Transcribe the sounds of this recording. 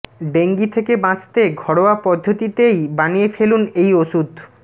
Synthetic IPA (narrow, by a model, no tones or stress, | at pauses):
ɖeŋɡit̪ʰekebãt͡ɕt̪eɡʱɔɽoapɔd̪ʱːot̪it̪ejbanijefelunejoʃud̪ʱ